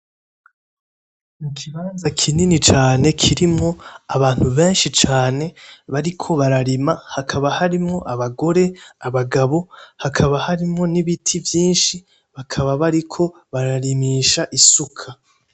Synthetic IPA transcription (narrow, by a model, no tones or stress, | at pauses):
mukʰiβaːnzakʰininit͡ʃaːne̞kʰiɾimŋo̞aβaːn̥huβe̞ːnʃit͡ʃaːne̞βaɾikʰo̞βaɾaɾimahakʰaβahaɾimŋo̞ʔaβaɡo̞ɾe̞aβaɡaβo̞hakʰaβahaɾimŋo̞niβitʰivjiːnʃi | βakʰaβaβaɾikʰo̞ | βaɾaɾimiːʃaʔisukʰa